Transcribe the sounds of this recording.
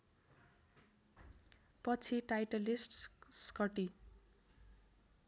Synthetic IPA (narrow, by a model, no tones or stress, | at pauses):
pʌt͡sʰiʈajʈʌlisʈskʌʈi